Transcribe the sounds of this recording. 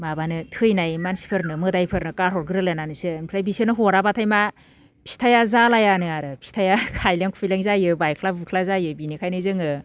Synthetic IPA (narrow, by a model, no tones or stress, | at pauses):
mabanɯtʰɯjnajmansi̥pʰɯɾnɯmɯdajpʰɯɾnɯkaɾɦɔɾɡɯɾɯlɯnanɯsɯmpʰɾajbisenɯɦoɾabatʰajma | pʰi̥stʰajazalajanɯaɾɯpʰi̥stʰajakʰajleŋkʰu̥pʰileŋzajɯbajkʰlabukʰlazajɯbinikʰajnɯjzɯŋɯ